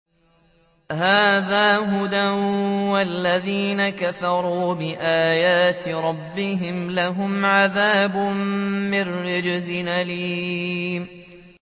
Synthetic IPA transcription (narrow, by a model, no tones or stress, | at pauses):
haːðaːɦʊd̪awalːaðiːnakaθɑɾˤuːbɪʔaːjaːt̪ɾˤɑbːɪɦɪmlaɦʊmʕaðaːbʊmːɪrːɪd͡ʒɪzɪnaliːm